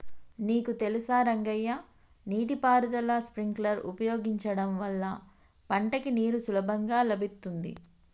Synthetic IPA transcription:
niːkut̪elisaːɾɐŋɡɐjːɐ | niːʈipaːɾd̪ɐlɐspɾiŋɡlɐɾṵpɐjoːɡiɲt͡ʃɐɽɐmʋɐlːɐ | pɐɳʈɐkiniːɾusulɐbʱɐŋɡaːlɐbit̪ːund̪ḭ

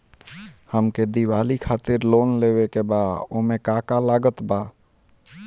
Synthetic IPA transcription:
həmked̪iwaːlikʰaːt̪ɪɾloːnleːwekebaːdomẽkaːkalaːɡət̪baː

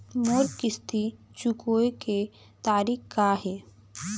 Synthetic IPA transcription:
moːɾkɪst̪ʰi | t͡ʃukoːeke | t̪aːɾiːkkaɦɛ

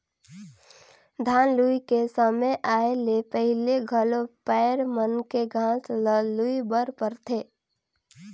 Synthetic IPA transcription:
d̪ʱaːnluikesəmeʔaːelepəɦɪleɡʱəlopɛːɾmənkeɡʱãːsləluibəɾpəɾt̪ʰeː

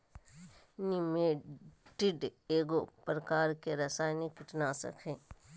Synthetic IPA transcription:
nɪmeʈɪɖeːɡopɾɐkaːɾkeɾɐsaːjnekɪʈnasɐ̰kʰẽː

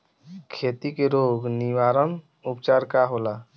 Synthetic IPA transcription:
kʰeːt̪ikeɾoːɡniʋaːɾən | upt͡ʃaːɾkaɦola

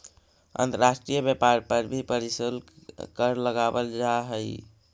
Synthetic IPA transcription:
ə̰nt̪əɾasʈɾijəbepaɾpəɾbʱipəɾisilkəɾləɡabəld͡ʒaɦəj

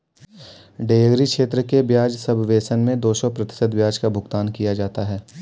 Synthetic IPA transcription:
ɖeːəɡɾikʃeːt̪ɾəkebjaːd͡ʒsɐbʱʋeːsənmẽd̪oːsɔpɾɐt̪ɪ̥səd̪ʋjaːd͡ʒkabʱʊɡt̪aːnkijad͡ʒaːt̪aɦɛː

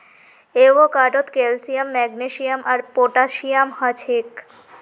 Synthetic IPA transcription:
eʋokaʈot̪kelsijəmːɛɡneʃijəmʔaɾpoʈaʃijamhət͡ɕʰek

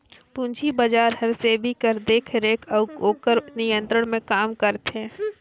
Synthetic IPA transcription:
pũɲd͡ʒʰibɐd͡ʒaːɾɦɐɾsebʱikəɾd̪eːkʰɾeːkʰɐkoːkəɾnɪjə̃nt̪ɾəɽ̃mẽkaːmkəɾt̪ɦɛ̃ː

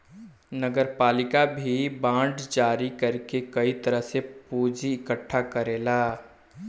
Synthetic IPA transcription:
nəɡəɾpaːlɪkabʱibãːɖd͡ʒaːɾikəɾkekɐit̪əɾəɦseppuːd͡ʒiɪkəʈʰːakəɾeːlaː

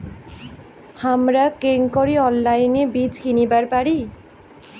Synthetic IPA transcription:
hamɾakeŋkoɾiɔnlajnebit͡ɕkinibaɾpaɾi

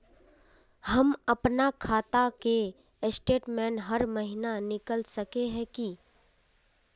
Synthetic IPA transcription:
hɐmɐpnakʰaːt̪ake | sʈeːʈmɛ̃ːnɦɐɾmɐɦɪnanɪkəlsɐkeɦɛ̃ki

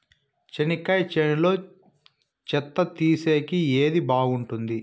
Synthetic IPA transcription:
t͡ʃenikɐjt͡ʃenilo̞ː | t͡ʃɛt̪ːɐt̪iːse̞ːkieːd̪ibaːɡuɳʈund̪i

